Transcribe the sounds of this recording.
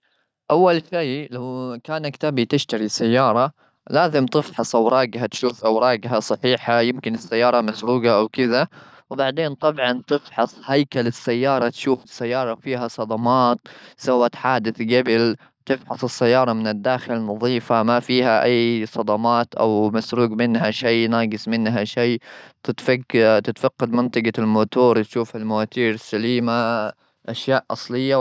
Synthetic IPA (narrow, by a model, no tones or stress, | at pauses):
ʔawːalʃajlawkaːnakt̪abit̪ɪʃt̪aɾisajːɑːɾˤɑ | laːzɪmt̪ɪfħɑsˤʔawɾˤɑːɡhat̪ʃuːfʔawɾˤɑːɡɦasˤɑħiːħajɪmkɪnɪsːajːɑːɾˤɑmasɾuːɡaʔawkɪða | wbaʕd̪eːnt̪ˤɑbʕɑnt̪ɪfħɑsˤhajkalɪsːajːɑːɾˤɑt̪ʃuːfɪsːajːɑːɾˤɑfiːɦasˤɑd̪ˤɑmɑːt̪sawat̪ħaːd̪ɪθɡabɪl | t̪ɪfħɑsˤɪsːajːɑːɾˤɑmɪnɪd̪ːaːxɪlnːɑðˤiːfamafiːhaʔajːsˤɑd̪ɑmɑːt̪ʔa̰wmasɾuːɡmɪnɦaʃijnaːɡɪsmɪnɦaʃiːt̪ɪt̪fat̪ɪt̪faqːɑd̪mɪnt̪ˤɑɡalmoːt̪uːɾˤt̪ʃuːfalmawaːt̪iːɾsːaliːma | ʔaʃjaːʔʔɑ̰sˤlɪjːa